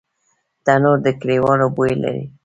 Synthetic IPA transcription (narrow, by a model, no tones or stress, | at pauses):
d̪̥anoɾd̪əkɽewɑnobojela̰ɾḭ